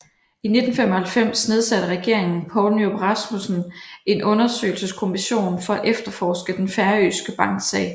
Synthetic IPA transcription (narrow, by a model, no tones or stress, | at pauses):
ine̝d̥n̩femɒ̽hælfem̰sne̝ð̞ˠsæɾ̥əʁɛɡ̥e̝ɐ̰e̝ŋn̩pʰɒʊnoʁɑ̈smusn̩e̝nʔɔ̽nɐsø̰ːɪl̩səskʰo̝miɕo̝̰ːnfɒ̽æʔefd̥ɐfɒːsɡ̥əd̥enfæɐyːsɡ̥əb̥ɑ̈ŋɡ̥sɛ̰ːɪ